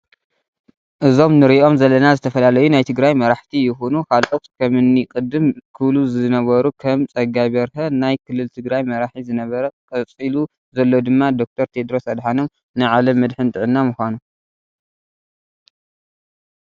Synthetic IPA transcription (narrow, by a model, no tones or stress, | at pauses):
ʔɨzo̞mnɨɾiʔo̞mzɐlːɐnazɨt̪ʰɐfɐlalɐjunajt̪ʰɨɡɾajmɐɾaħt̪ʰijɪxonukʰalʔo̞t̪kʰɐmɨnːikʼɨd̪ɨmkʰɨβluzɨnɐβɐɾukʰɐmt͡sʼɐɡajβɐɾxɐnajkʰɨlːɨlt̪ʰɨɡɾajmɐɾaħizɨnɐβɐɾɐkʼɐt͡sʼilu | zɐlːo̞d̪ɨmːad̪o̞k̚t̪ʰɐɾt̪ʰe̞d̪ɾo̞sɐd̪ħano̞m | nɨʕalɐmːɨd̪ħɨnt̪ʼɨʕɨnːamuxʷanu